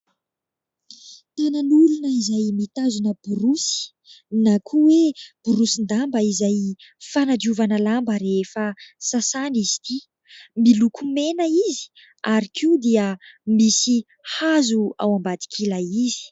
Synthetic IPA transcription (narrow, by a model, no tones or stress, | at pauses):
t̪ananulunəizajmit̪azunəb̥uɾusi̥ | nakʰuweb̥uɾusind̪ambəizaj | fanad͡ʒ̪iuvanəlambəɾefəsasanizi̥t̪i | milukʰumenəizi̥ | aɾikʰiud̪iəmisi | hazua̰wambad̪i̥kʰilaizi̥